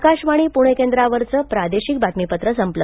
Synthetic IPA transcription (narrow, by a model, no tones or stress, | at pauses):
kaɕʋaɽ̃iːpuɽ̃ekend̪ɾaʋəɾt͡səːpɾad̪eɕik̚bat̪mipət̪ɾəsəmplə